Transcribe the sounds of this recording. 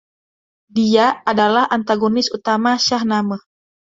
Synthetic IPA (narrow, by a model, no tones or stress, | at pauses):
diaadalahʔant̪aɡonɪsut̪amaʃahnaməh